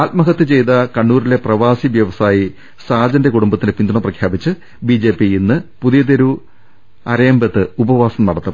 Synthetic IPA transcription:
aːlmɐɦɐt̪ːɨt͡ɕe̞jt̪ɐkɐɳːuːɾile̞prɐʋaːsiʋjɐʋɐsaːji | saːd͡ʑɐnde̞kuɽumbɐt̪ːindepind̪uɳɐmprɐkʰjaːbit͡ɕːɨ | bid͡ʑe̞ːpːiinːɨpuðijɐd̪eɾu | ɐɾɐjɐmbɐt̪ːɨubɐʋaːsɐmnɐɽɐt̪ːɐm

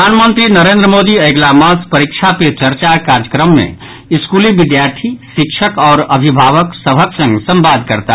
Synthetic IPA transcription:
aːnmə̃nt̪ɾinəɾẽːnd̪ɾəmoːd̪iɐɪɡlamaspɐɾikʃʰapet͡ʃəɾt͡ʃakaːɾjəkɾəmːḛ̃ | ɪskuːliʋɪd̪jaːɾt̪ʰiʃɪkʃʰəkɔːɾɐbʱibʱaːʋəksəbʱəksə̃ŋɡsɐ̃mbaːd̪̚kəɾt̪a

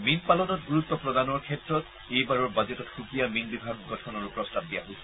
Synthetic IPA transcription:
minpalɔnɔtɡuɹutːɔpɹɔdanɔɹkʰɛtɹɔt | ejbaɹɔɹbazɛtɔtxukijaminbibʱaɡɡɔtʰɔnɔɹupɹɔstʰab̚dijaɦojsɛ

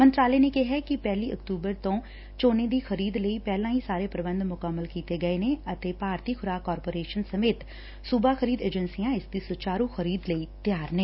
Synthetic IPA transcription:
mə̃nt̪ɾaːleːnekeɦɛkɪpɛːliːʔə̰kt̪uːbəɾt̪õː | t͡ʃoːnẽd̪iːxʰəɾiːd̪ləiːpɛːlãːɦisaːɾeːpɾəbə̃nd̪mʊkəmːəlkiːt̪eɡəeːneːət̪eːpaːɾt̪iːkʰʊɾaːkːɔːɾpoːɾeːʃənsəmeːt̪ | sʊbaːxʰəɾiːd̪eːd͡ʒənsijãːɪsd̪iːsʊt͡ʃaːɾũːxʰəɾiːd̪ləit̪jaːɾneː

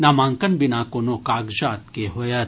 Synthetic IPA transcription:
namãːŋkənbɪnaːkonokaːɡd͡ʒaːt̪keɦojɐt̪

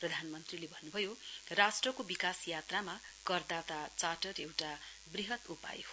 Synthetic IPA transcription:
prʌd̪ʱanmʌnt̪rilebʱʌnːubʱʌjorasʈrʌkobikasjat̪rama | kʌrd̪at̪at͡saʈʌrewʈa | briɦʌt̪upa̰jo

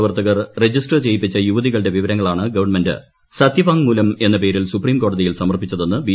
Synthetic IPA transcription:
ʋɐrt̪ɐɣɐrred͡ʑisʈɐrt͡ɕe̞jipːit͡ɕːɐjuʋɐðiɣɐɭɨɖe̞ʋiʋɐɾɐŋːɐɭaːɳɨɡɐʋɐrɳmendɨ̰ | sɐt̪jiʋaːŋmuːlɐme̞nːɐpe̞ːɾilsupriːmko̞ːɽɐðijilsɐmɐrpit͡ɕːɐðo̞nːɨbi

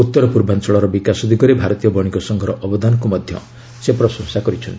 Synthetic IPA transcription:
ut̪ːɔɾɔpuɾbant͡ʃɔɭɔɾɔbikasɔd̪ʱiɡɔɾebʱaɾɔt̪ijɔbɔɽ̃ikɔsɔŋɡʱɔɾɔʔɔbɔd̪anɔkumɔd̪ʱjɔ̰ | sepɾɔsɔ̃ŋsakɔɾit͡ʃʰɔnt̪ii

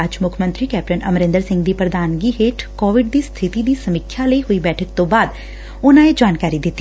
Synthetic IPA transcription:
əd͡ʒmʊkʰmənt̪ɾiːkɛːp̚ʈənəmɾɪ̃nd̪əɾsɪ̃ŋɡd̪iːpɾəd̪aːnɡiːɦeːʈkɔːʋɪɖd̪iːst̪ʰɪt̪iːd̪iːsəmɪkʰːjaləiɦoiːbɛːʈʰək̚t̪õːbaːd̪ | ʊnãːed͡ʒaːnkaːɾid̪ɪt̪ːi

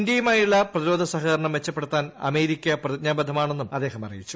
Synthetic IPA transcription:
ndjɐjumaːjuɭːɐprɐðiɾo̞ːd̪ʱɐsɐɦɐɐɾɐɳɐmʋe̞t͡ɕːɐpːeɽut̪ːaːnɐ̰me̞ːɾikʲːɐprɐɲaːbɐd̪ʱɐmaːɳe̞nːumɐd̪ːeːɦɐmɐrḭjit͡ɕːu̥

